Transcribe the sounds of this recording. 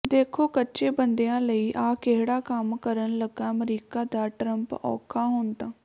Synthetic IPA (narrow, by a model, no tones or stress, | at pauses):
d̪eːkʰoːkətːʃeːbənd̪ejãːləiːʔaːkeɦɽaːkəmkəɾənləɡãːmɾiːkaːd̪aːʈɾəmpɔ̰ːkʰaːɦʊnt̪ãː